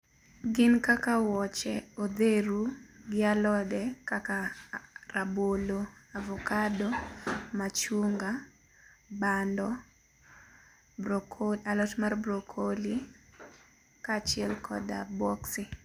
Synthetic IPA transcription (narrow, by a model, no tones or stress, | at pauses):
ɡɪnkakawɔt͡ʃɛod̪eɾuɡɪalɔdɛkaka | raboloavɔkadomat͡ʃuŋɡa | bandɔ | bokʰolalɔtmarbɾokʰoli | kat͡ʃɪɛlkʰɔ̰da̰bɔksi